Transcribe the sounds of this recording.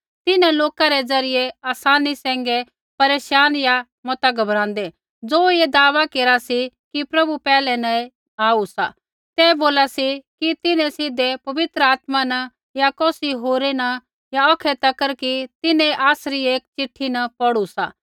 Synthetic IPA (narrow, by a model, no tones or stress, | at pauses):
t̪ɪnɛ̃loːkaɾɛd͡zɐɾɪjeaːsaːnisɛ̃ːŋɡe | pɐɾeːʃaːnja | mɔt̪aɡɐbɾãːnd̪e | d͡zoːjed̪aːʋakeːɾasi | kipɾɐbupɛːlɛnɐ | aːusa̰ | t̪ɛːboːlasikit̪ɪnɛ̃sɪd̪epɐʋɪt̪ɾəaːt̪manɐ | jakɔːsiɦoːɾenɐ | jaɔːkʰɛt̪ɐkəɾkit̪ɪnɛ̃ʔaːsɾieːkt͡ʃɪʈʰinɐpɐɽusa̰ː